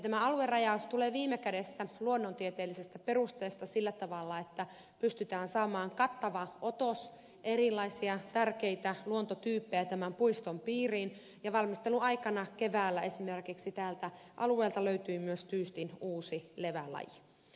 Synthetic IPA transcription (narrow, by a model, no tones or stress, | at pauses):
t̪æmæɑluerɑjɑust̪uleːʋiːmːekædesːæluonːont̪iet̪eːlːisest̪æpe̞rust̪eːst̪ɑsilːæt̪ɑʋɑlːɑet̪ːæ | pyst̪yt̪æːnsɑːmɑːŋkɑt̪ːɑʋɑo̞t̪os | ʔeɾilːˑɑisiɑt̪ærkeit̪æluont̪ot̪yːpːejæt̪æmæmpuist̪ompiːriːn | jɑʋɑlmist̪eluɑjkɑnɑkeʋæːlːæe̞simerkiksit̪æːlt̪æʔɑ̰lueːlt̪ɑløyt̪yːmyøst̪yːst̪inuːsile̞ʋælɑ̰ji